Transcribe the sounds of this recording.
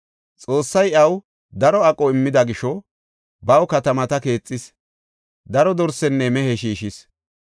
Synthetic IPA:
t͡sʼo̞ːsːɐjɐw | d̪ɐɾɔɐkʼɔɪmːɪd̪ɐɡɪʃɔ | bɐwkɐt̪ɐmɐt̪ɐke̞ːt͡sʼːɪs | d̪ɐɾɔd̪ɔɾsɛnːɛmɛhɛʃiːʃɪs

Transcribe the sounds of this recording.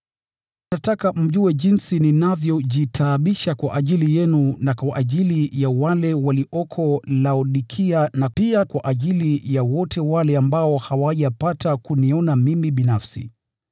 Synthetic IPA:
natakam̩ʄuɛʄinsininavjɔʄitʰaːɓiʃakwaʔaʄilijɛnunakwaʔaʄilijawalɛwaliʔɔkʰɔlauɗikʰianapiakwaʔaʄilijawɔtɛwalɛambaɔhawaʄapatakuniɔnamimiɓinafsḭ

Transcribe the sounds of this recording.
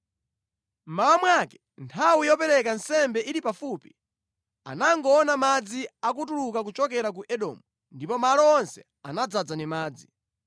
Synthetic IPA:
m̩mawamwakɛ̥ | ntʰawijɔpɛɾɛkansɛmbɛʔiɾipafuːpi̥ | a̰naŋɡɔːnamad͡ziak̬ut̬ulukak̬ut͡ʃɔk̬ɛɾak̬uʔɛɗɔ̰ːmu | ndipɔmalɔɔnsɛ | anad͡zad͡zanimaːd͡zi

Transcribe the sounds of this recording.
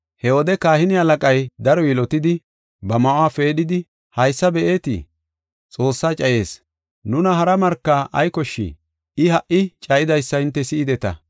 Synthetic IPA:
hɛwɔd̪ɛkaːhɪnɪɐlɐkʼɐjd̪ɐɾɔjɪlɔt̪ɪd̪ɪ | bɐmɐʔwaːfe̞ːɗɪd̪ɪ | hɐjsːɐbɛʔe̞ːt̪ɪ̰ | t͡sʼo̞ːsːaːt͡ʃʼɐje̞ːs | nʊnɐɦɐɾɐmɐɾkːaʔɐjkɔʃːɪ̰ | ɪhɐʔɪt͡ʃʼɐjɪd̪ɐjsːɐɪnt̪ːɛsɪɪd̪ɛt̪ɐ̰

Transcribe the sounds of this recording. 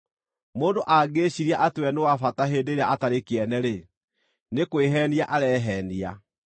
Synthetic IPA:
moːndoʔaɡeɕiɾiaʔatwɛnewafataɦeːndeɾeaataɾekeɛnɛɾe | nekweɦɛniaʔaɾɛɦɛnia

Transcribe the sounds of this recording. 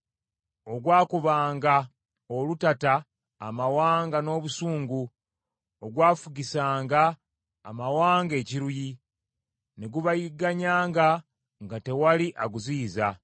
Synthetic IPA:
o̞ɡwaːkuβaːŋɡa | olutataː | mawaːŋɡano̞ːβusuːŋɡu | oɡwaːfuɡisaːŋɡa̰ː | mawaːŋɡe̞ːciɾuji | ne̞ɡuβajiɡaɲaːŋɡa | ŋɡate̞waliʔaɡuziːza

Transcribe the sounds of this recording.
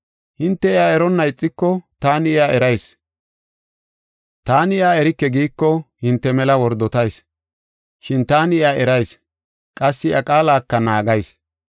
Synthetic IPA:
hɪnt̪ːɛɪjaːɛɾɔnːɐjt͡sʼːɪkːɔt̪aːnɪjaːʔɛɾɐjs | t̪aːnɪjaːɛɾɪkːɛɡiːkːɔhɪnt̪ːɛmɛlɐwɔɾd̪ɔt̪ɐjs | ʃɪnt̪aːnɪjaːʔɛɾɐjs | kʼɐsːɪʔɐkʼaːlaːkːɐnaːɡɐjs

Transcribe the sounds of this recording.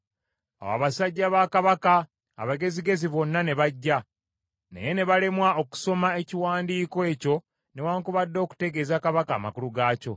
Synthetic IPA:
awa̰βasaɟːaβakaβaka̰ː | βaɡe̞ziɡe̞ziβo̞nːane̞βaɟːa | nḛje̞ne̞βalemwao̞ku̥so̞mae̞ciwaːndiːkoe̞ːco̞ | newaːŋkuβadːo̞ːku̥te̞ɡe̞ːzakaβaka̰ːma̰kuluɡaːco̞̰

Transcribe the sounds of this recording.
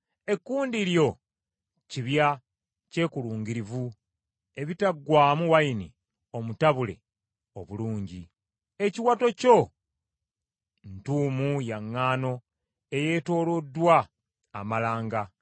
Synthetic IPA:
e̞kːuːndiɾjo̞ | ciβja | ce̞ːkuluːŋɡiɾivu | e̞βitaɡwaːmuwaini | o̞mutaβule̞̰ | o̞̰βuluːɲɟi | e̞ciwato̞co̞ | ntuːmujaŋːaːno̞ | e̞je̞ːto̞ːlo̞dːwaː | malaːŋɡa

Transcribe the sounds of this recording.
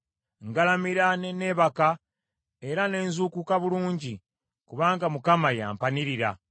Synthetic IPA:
ŋɡalamiɾanene̞ːβaka | e̞ɾane̞ːnzukukaβuluːɲɟi | kuβaːŋɡamukamaja̰ːmpaniɾiɾa̰

